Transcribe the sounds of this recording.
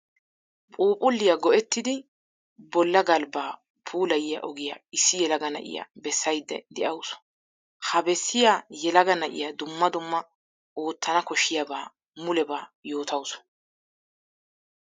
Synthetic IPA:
pʼuːpʼʊlːɪjɐɡɔʔɛt̪ːɪd̪ɪ | bɔlːɐɡɐlbaː | pʰuːlɐjɪjɐ̰ʔɔɡɪja̰ɪsːɪjɛlɐɡɐnɐ̰ʔɪ̰ja̰bɛsːɐjd̪ːɛ̰d̪ɛʔɐwsɔ̥ | hɐbɛsːɪjaːjɛlɐɡɐnɐʔɪ̰jad̪ʊmːɐd̪ʊmːɐ | oːt̪ːɐnɐkɔʃɪjabaː | mʊlɛbaːjo̞ːt̪ɐwsɔ̥

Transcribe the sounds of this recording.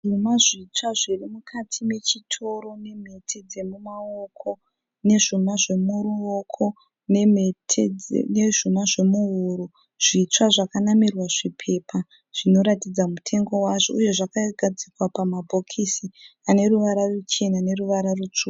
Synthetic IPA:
ʐumaʐit͡ʂwaʐirimukʰatʰime̞t͡ʃitʰo̞ɾo̞ne̞m̤e̞tʰed͡ze̞mumaokʰo̞ | ne̞ʐumaʐe̞muruokʰo̞ | nemetʰḛneʐumaʐe̞muɦuɾu | ʐ̥it͡ʂwaʐakanamirwaʐipʰe̞ːpʰa | ʐ̥ino̞ɾatid͡zamutʰe̞ŋɡo̞waʐouje̞ʐakaɡʱad͡zikwapamabʱo̞kʰisiane̞ruʋaɾarut͡ʃe̞nane̞ruʋaɾarut͡ʂuː

